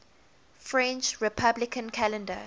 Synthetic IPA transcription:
fɹɛ̃nt͡ʃɹipʰablɪkʰə̃nkʰalɛ̃ndə

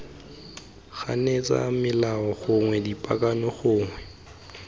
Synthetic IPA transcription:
ɣa̰net͡sʼa̰mɪlaɔχʊŋwɛdipʼakʼanɔχʊːŋwɛ

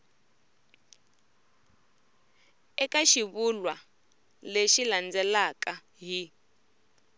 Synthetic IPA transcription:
ɛkaʃiβulwa | leʃiland͡zɛlaka | ɦi

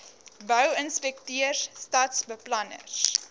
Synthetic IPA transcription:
bœwənspɛktiərstɐtsbəplɐnə̰r

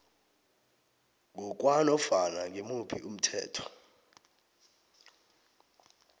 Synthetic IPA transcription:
ŋɔk̬ʼwanɔfanaŋemupʰiʔum̩tʰɛ̰ːtʰɔ̥

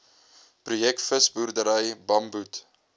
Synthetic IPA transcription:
prujɛk̚tfəsburdəɾəjbɐmbut

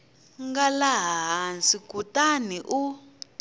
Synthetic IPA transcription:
ŋɡalaɦaɦansikutaniʔu

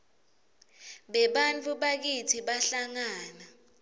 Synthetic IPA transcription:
ɓɛɓant͡fʰʼuɓak̬itʰiɓaɬaŋaːna

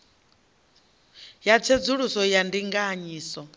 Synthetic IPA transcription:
jat͡sʰed͡zuɺusɔjandiŋɡaɲiːsɔ

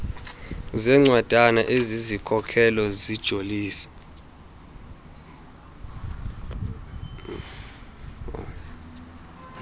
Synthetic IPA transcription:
zɛŋ͡ǀwad̥ʱʼanaʔezizikʰɔkʰɛlɔzid̥ʒ̥ʱoliːsɛ̥

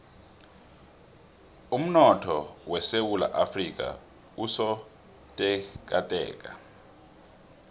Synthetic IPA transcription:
um̩nɔtʰɔwɛsewula̰ʔafrik̬ʼa̰ | usɔ | tʼɛk̬ʼatʼɛ̰ːkʼa

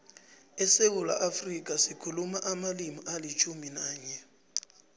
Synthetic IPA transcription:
ɛseʊla̰ʔafrikʼasɪkʰulumaʔamalimɔalit͡ʃʰuminaːɲɛ

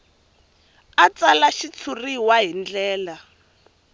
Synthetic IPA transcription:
at͡salaʃit͡sʰuriwaɦind͡ɮɛːla

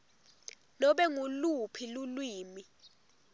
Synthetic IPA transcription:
nɔɓɛŋulupʰilulwiːmi

